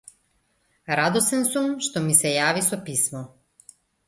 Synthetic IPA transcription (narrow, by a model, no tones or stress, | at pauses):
ɾad̪ɔsɛnsumʃt̪ɔmisɛjavisɔpismɔ